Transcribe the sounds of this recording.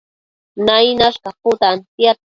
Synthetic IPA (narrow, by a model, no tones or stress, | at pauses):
najnaʃkɑpʊt̪ant̪ja